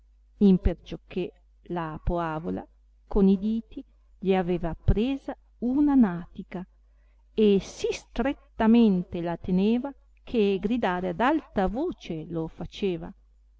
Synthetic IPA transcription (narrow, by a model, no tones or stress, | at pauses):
impert͡ʃokːe | lapoaːvola̰ | konid̪iːt̪i | ʎiaveːvapɾeːza | unanaːt̪ika | esist̪ɾet̪ːament̪elat̪eneːva | kʰeɡɾid̪aːɾead̪alt̪avoːt͡ʃelofat͡ʃeːva̰